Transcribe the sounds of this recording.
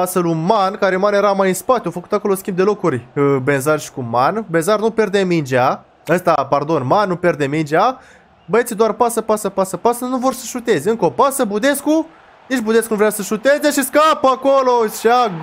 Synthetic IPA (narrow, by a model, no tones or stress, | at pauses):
asəlumankaɾemanje̞ɾamajɨnspat̪ʲjowfəku̥t̪ako̞loskʲimbd̪e̞lo̞kurʲbe̞nzarʃi̥kumanbenzarnupe̞rd̪emind͡ʒa | əst̪apard̪o̞nmanːupʲe̞rd̪emind͡ʒea | bəet̪sid̪oarpasəpasəpasəpasənuvo̞rʲsəʃut̪e̞zʲeɨŋkəopasəbud̪e̞sku | nit͡ʃbud̪e̞skunuvɾeasəʃut̪e̞zeʃiskapəakoloʃa